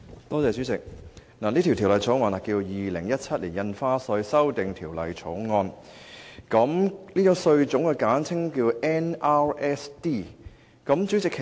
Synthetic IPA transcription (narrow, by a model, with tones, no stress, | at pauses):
t̪ɔː˥t͡sɛː˨˧sy˨˥t͡sɪ˨k̚naː˨˩niː˥t̪ʰi˨˩wt̪ʰːwlɐ˨jt͡sʰo˨˥wŋɔː˧na˨˩kiː˧jiː˨lɪ˨˩ŋjɐ˥t̚t͡sʰɐ˥t̚liː˨˩jɐ˧nfaː˥sɵ˧ɥsɐ˥wt̪ɪ˨ŋt̪ʰiː˨˩wlɐ˨˧jt͡sʰo˨˧˥wŋɔː˧n | kɐ˨˥mliː˥t͡ʃʊ˨˥ŋsɵ˧ɥt͡sʊ˨˥ŋkɛ˧kaː˨˥nt͡sʰɪ˥ŋkiː˧wɛː˥na˥ɹɛ˦˥st̪iː˥˩ | kɐ˨˥mt͡sy˨˥t͡sɪ˨kʰːe˨